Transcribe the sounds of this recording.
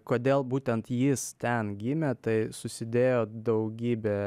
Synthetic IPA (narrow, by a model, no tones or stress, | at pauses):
koːd̪ʲeːlˠbuːt̪ʲɛnt̪jɪst̪ʲɛnɡʲimʲet̪ɐɪsʊsʲɪd̪ʲeːjoːd̪ɐʊɡʲiːbʲeː